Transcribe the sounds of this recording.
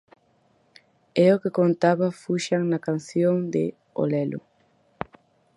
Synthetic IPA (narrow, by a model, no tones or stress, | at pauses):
eokekont̪aβafuʃaŋnakanθjoŋd̪ɪ | o̰lɛlʊ̰